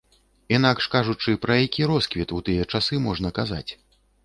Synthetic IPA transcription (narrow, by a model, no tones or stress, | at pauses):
inakʂkaʐut͡ʂɨpɾɐjakʲiɾɔskvʲit̪ut̪ɨjɐt͡ʂasɨmɔʐn̪ɐkaza̰t͡sʲ